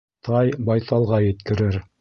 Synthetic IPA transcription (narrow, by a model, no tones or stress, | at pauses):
t̪ʰɑjbɑjθɑlˠʁɑjɘ̆t̪kɘ̆ɾɘɾ